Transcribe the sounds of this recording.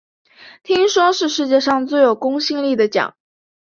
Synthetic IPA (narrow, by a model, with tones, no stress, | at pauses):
t̪ʰi˥ŋʂwɔ˥ʂɻ̩˥˧ʂɻ̩˥˧t͡ɕjɛ˥˧ʂɑ˥˧ŋt͡swe˥˩ɪjo˨˩ʊkʊ˥ŋɕi˥˧ŋli˥˩d̪ə˩t͡ɕjɑ̰˨˩˦ŋ